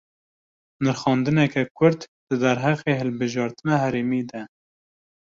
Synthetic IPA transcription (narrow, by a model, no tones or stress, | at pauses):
nɨɾxɑːnd̪ɨnɛkɛkʰʊɾd̪d̪̥ɨd̪æɾɦæqeːhɨlbɨʒɑːɾt̪ɨnɑhæɾeːmiːd̪ɛ